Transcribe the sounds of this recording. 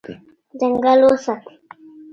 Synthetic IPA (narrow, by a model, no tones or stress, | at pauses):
dəŋɡalosat̪